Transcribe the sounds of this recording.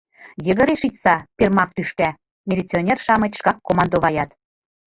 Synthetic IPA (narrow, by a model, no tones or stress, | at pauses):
jə̆ɣɤ̆ɾeʃit̪sɑpʲermɑk̚t̪yʃkæ | mʲelʲet͡sʲionʲerʃɑmɤ̆t̪ʲʃkɑkːomɑnd̪oβɑjɑt̪